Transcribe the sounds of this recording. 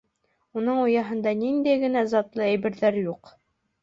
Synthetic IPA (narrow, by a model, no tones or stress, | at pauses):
unɤɴujɑɦɤ̆nd̪ɑnind̪æjɡɘ̆næzɑt̪lˠɤæjbɘ̆ɾðæɾjuq